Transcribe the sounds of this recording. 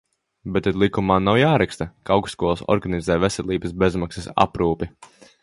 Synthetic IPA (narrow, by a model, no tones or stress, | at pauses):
bet̪ːɛd̪lˠikumaːnawjaːɾɛkst̪ɐkawksːkuɔlˠsɔ̰ɾɡanizɛːvesɛlʲˠiːbɐsbezmaksesa̰pɾuːpi